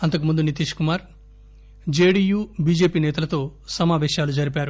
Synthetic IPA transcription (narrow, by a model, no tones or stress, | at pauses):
ɐnt̪ɐk̬umund̪unit̪̬iːʂkumaːɾ | d͡ʒeːɽiːjuːbiːd͡ʒe̞ːpiːnɛːt̪ɐlɐt̪o̞ːsɐmaːʋɛːʃjaːlud͡ʒɐɾipaːɾu